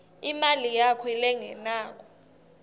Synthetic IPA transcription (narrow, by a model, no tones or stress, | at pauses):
imalijakʰɔɛlɛŋɛnaːk̬ʼɔ